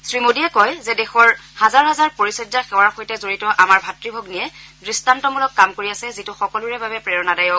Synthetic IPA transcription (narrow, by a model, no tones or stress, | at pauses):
sɹimodijɛkɔjzɛdɛxɔɹhazaɹɦazaɹpoɹisɛd͡ʒaxɛwaɹxojtɛzoɹitɔʔamaɹbʱatɹibʱɔɡnijɛdɹistantɔmulɔkːamkoɹiasɛzitʊxɔkɔluɹɛbabɛpɹɛɔnadajɔk